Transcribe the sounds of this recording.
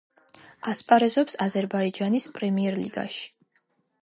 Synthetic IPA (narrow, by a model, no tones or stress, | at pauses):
aspʼaɾɛzɔpsazɛɾbaid͡ʒanispʼɾɛmiɛɾlḭɡ̥a̰ʃi̥